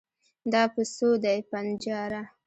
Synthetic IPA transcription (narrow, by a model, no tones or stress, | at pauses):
d̪ɑpəsod̪ajpand͡ʒɑɾa